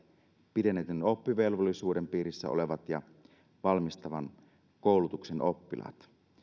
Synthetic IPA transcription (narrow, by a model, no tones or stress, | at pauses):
pidenːˑet̪ynopːiʋelʋolːˑisuːdempiːɾisːæ̰o̰leʋɑt̪jɑ | ʋɑlmist̪ɑʋɑn | koˑulut̪uksenopːilɑ̰t̪